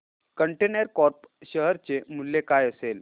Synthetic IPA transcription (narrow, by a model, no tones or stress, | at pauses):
kəɳʈenəɾkɔɾpɕəɦəɾt͡semulːekajəsel